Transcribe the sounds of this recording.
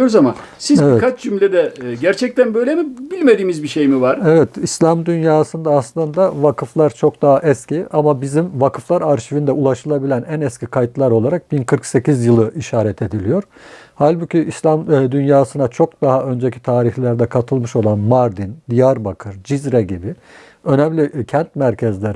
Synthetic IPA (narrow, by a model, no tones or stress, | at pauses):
oɾuzama̰n | sizeviɛkʰat͡ʃd͡ʒymlʲed̪ɛɟæɾt͡ʃʰɛc̚t̪ʰænbøjlʲemibilʲmed̪iːmizbiʃe̞jmivaɾ̥evɛt̪ʰislʲamd̪ynjaːsɯnd̪aːslˠɯnd̪avakʰɯflˠaɾt͡ʃʰo̞kd̪aɦaʔɛsciamabizimvakʰɯflˠaɾaɾʃivind̪ɛulˠaʃɯlˠabilʲænænɛscʰʲikʰajt̪lˠaɾo̞lˠaɾak̚binkʰɯɾkse̞cizjɯlˠɯʔiʃaːɾɛt̪ʰe̞d̪ilʲijo̞ɾ̥halʲbucʰiʔislʲamd̪ynjaːsɯnat͡ʃʰo̞k̚d̪̥aɦaø̞nd͡ʒecʰi̥t̪ʰaːɾiçlʲæɾd̪ɛkʰat̪ʰɯlˠmɯʃo̞lˠanmaɾd̪ind̪ijaɾbakʰɯɾd͡ʒizɾɛɟibi | ø̞nɛmlʲicʰænt̪̚mæɾcʰɛzlʲeɾ